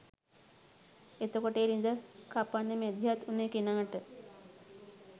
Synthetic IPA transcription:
et̪okoʈəeɾind̪əkapanːəmed̪ʱjat̪unekinaŋəʈə

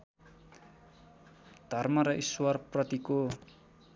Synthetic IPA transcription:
d̪̥ʱʌrmʌɾʌʔiswʌrprʌt̪iko

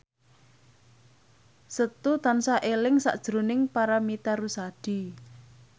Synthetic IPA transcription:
sət̪ut̪ansaʔelɪŋsa̰ʔd̥ʒ̥ɾo̤nɪŋpaɾamit̪aɾusaɖ̥i̤

